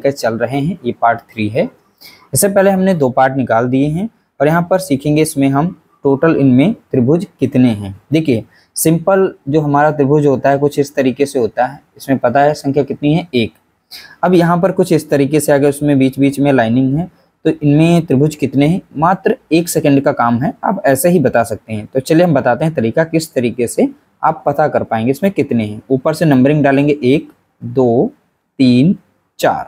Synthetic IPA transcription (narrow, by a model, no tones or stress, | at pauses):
ket͡ʃɐlɾɐɦeɦɛ̃jeːpaːɾʈt̪ʰɾiːɦɛː | ɪsːepɛɦleɦɐmned̪oːpaːɾʈnɪkaːld̪ieɦɛ̃ | ɔːɾjɐɦãpɐɾsiːkʰẽːŋɡeɪsmẽɦɐm | ʈoːʈəlɪnmẽt̪ɾɪbʱʊd͡ʒkɪt̪neɦɛ̃ːd̪eːkʰije | sɪ̃mpəld͡ʒoːɦɐmaːɾat̪ɾɪbʱʊd͡ʒɦoːt̪aɦɛkʊt͡ʃʰɪst̪ɐɾiːkeseɦoːt̪aɦɛːɪsmẽpɐt̪aɦɛsɐ̃ŋkʰjakɪt̪niɦɛ̃eːk | ɐbjɐɦãp̬ɐɾkʊt͡ʃʰɪst̪ɐɾiːkeseaːɡeʊsmẽbiːt͡ʃbiːt͡ʃmẽlaːɪnɪ̃ŋɡɦɛː | t̪oʔɪnmẽt̪ɾɪbʱʊd͡ʒkɪt̪neɦɛ̃maːt̪ɾəeːksɛkə̃ɳɖkakaːmɦɛa̰ːpɛːseɦibɐt̪asɐk̚t̪eɦɛ̃t̪ot͡ʃɐlijeɦɐmbɐt̪aːt̪eɦɛ̃t̪ɐɾiːkakɪst̪ɐɾiːkese | a̰ːpːɐt̪akɐɾpaːẽːŋɡeɪsmẽkɪt̪neɦĩuːpəɾsenɐ̃mbəɾɪ̃ŋɡɖaːlẽːŋɡeʔeːk | d̪oː | t̪iːn | t͡ʃa̰ːɾ